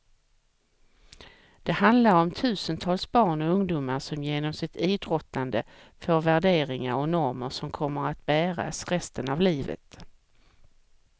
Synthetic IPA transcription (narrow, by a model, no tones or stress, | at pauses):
d̪̥ɛhand̪laɾɔmt̪ʰʉ̟ːsənt̪ʰɑːlsbɑːɳɔɵŋd̪uːmaʂɔmjeːnɔmsɪt̪iːd̪ɾɔt̪ːand̪ə | foːɾvæɖeːɾɪŋaɾɔnɔɾməʂɔmkʰɔmːəɾat̪̚bæːɾa̰sɾɛst̪ənavliːvə̰t̪